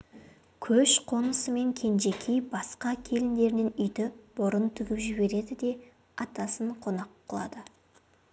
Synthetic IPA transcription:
kʲʰɵʃqʰo̞nəsəme̞ŋkʲʰe̞nʒe̞kʲʰijbɑsqɑkʲʰe̞lɪnd̪e̞ɾnɪnʏjd̪ɪb̥ʊɾənt̪ʰʏɡʲɪpʒɪbe̞ɾe̞d̪ɪd̪e̞ | ɑt̪ɑsəɴqʰo̞nɑqʰːəlˠɑ̰d̪ə

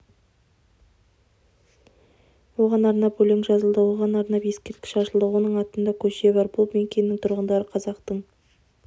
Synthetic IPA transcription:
wo̞ʁɑnɑɾnɑpɵleŋʒɑzəlˠd̪əwo̞ʁɑnɑɾnɑpje̞skʲe̞ɾt̪̚kʲɪ̥ʃɑʃəlˠd̪əwo̞nəɴɑt̪ənd̪ɑkʲʰɵʃe̞bɑɾbʊlˠme̞ŋkʲʰe̞nːɪŋt̪ʰʊɾʁənd̪ɑɾəqʰɑzɑqt̪əɴ

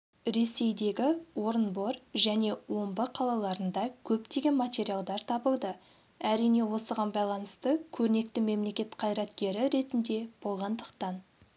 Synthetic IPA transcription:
ɾe̞se̞jd̪e̞ɡʲɪwo̞ɾənbo̞ɾʒæne̞wo̞mbəqʰɑlˠɑlˠɑɾənd̪ɑkʲʰɵpt̪e̞ɡʲe̞nmatʲe̞ɾijalˠd̪ɑɾt̪ʰɑbəlˠd̪ə | æɾijne̞wo̞səʁɑnbɑjlˠɑnəst̪əkʲʰɵɾne̞k̚t̪ɪme̞mle̞kʲe̞t̪qʰɑjɾɑt̪kʲe̞ɾɪɾe̞t̪ɪnd̪e̞b̥o̞lˠʁɑnd̪əqt̪ɑn

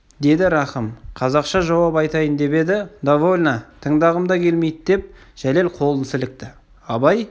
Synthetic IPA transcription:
d̪e̞d̪ɪɾɑχəmqʰɑzɑqʃɑʒɑwɑpɑjt̪ɑjənd̪e̞pe̞d̪ɪd̪avolʲnat̪ʰəɴŋd̪ɑʁəmd̪ɑkʲʰe̞lme̞jd̪ɪd̪̥e̞p̚ | ʒ̥æle̞lqʰo̞lˠənsɪlɪk̚t̪ɪ | ɑbɑj

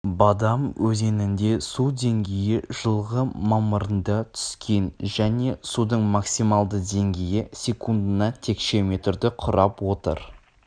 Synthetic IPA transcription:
bɑd̪ɑmwɵze̞nɪnd̪e̞sud̪e̞ŋɡʲejɪʒ̥əlˠʁəmɑməɾənd̪ɑt̪ʰʏ̥skʲʰe̞nʒæne̞sud̪əɴmɑksimɑlˠd̪əd̪e̞ŋɡʲejɪsʲe̞kʰund̪ənɑt̪ʰe̞kʃe̞me̞t̪rd̪ɪqʰʊɾɑpwo̞t̪ə̰ɾ

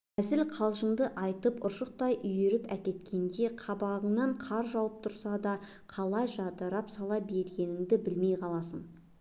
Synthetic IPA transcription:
æzɪlqʰɑlˠʒəɴd̪əʔɑjt̪əpʊʃəq̚t̪ɑjʔʏjeɾɪpækʲe̞t̪kʲe̞nd̪e̞qʰɑbɑʁəɴnɑɴqʰɑɾʒɑwəp̚t̪ʰʊɾsɑd̪ɑ | qʰɑlˠɑjʒɑd̪əɾɑpsɑlˠɑbe̞ɾɡʲe̞nɪŋd̪ɪbɪlme̞jqʰɑlˠɑsən

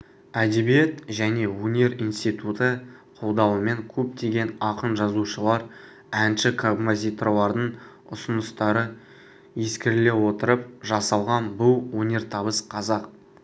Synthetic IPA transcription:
æd̪e̞bijet̪ʒæne̞wɵnʲe̞ɾinst̪ijt̪ut̪əqʰo̞lˠd̪ɑwəme̞ŋkʲʰɵp̚t̪ʰe̞ɡʲe̞nɑqənʒɑzuʃəlˠɑɾ | ænʃɪkʰobmozʲijt̪rolˠɑɾd̪əɴ | ʊsənəst̪ɑɾə | je̞skʲɪɾɪle̞wo̞t̪əɾəpʒɑsɑlˠʁɑnbʊlwonʲe̞ɾt̪ʰɑbəsqʰɑzɑq

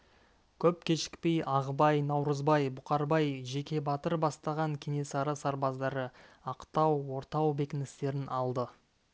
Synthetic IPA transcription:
kʲʰɵp̚kʲʰe̞ʃɪ̥k̚pe̞jʔɑʁəbɑjnɑwɾəzbɑjbʊqɑɾbɑjʒe̞kʲe̞bɑt̪əɾbɑst̪ɑʁɑŋkʲʰe̞ne̞sɑɾəsɑɾbɑzd̪ɑɾəɑqt̪ɑwːo̞ɾt̪ɑwbe̞kʲɪnɪst̪e̞ɾɪnʔɑlˠd̪ə

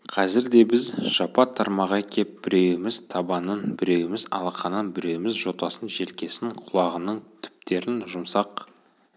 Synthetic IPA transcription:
qʰɑzɪɾd̪e̞bɪzʒ̥ɑpɑt̪ʰːɑɾmɑʁɑkʲʰe̞p̚bɪɾe̞wɪmɪzt̪ʰɑbɑnənbɪɾe̞wɪmɪzɑ̰lˠɑqɑnənbɪɾe̞wɪmɪzʒo̞t̪ɑsənʒe̞lkʲe̞sɪŋqʰʊlˠɑʁənəɴt̪ʰʏ̥p̚t̪e̞ɾɪnʒʊmsɑq

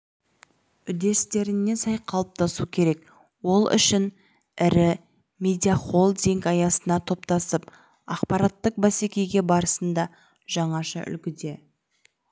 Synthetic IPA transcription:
ʏd̪e̞st̪e̞ɾɪnːe̞sɑjqʰɑlˠəp̚t̪ʰɑsukʲʰe̞ɾe̞k | wo̞lˠʏ̰ʃɪn | ɪɾɪ | mʲe̞d̪ʲiaχolˠd̪iŋkɑjɑsənɑt̪ʰo̞pt̪ɑsəp | ɑqpɑɾɑt̪ːəq̚bæse̞kʲe̞jɡʲe̞bɑɾəsənd̪ɑ | ʒ̥ɑɴɑʃə̰ʔʏ̰lkʲɪd̪e̞

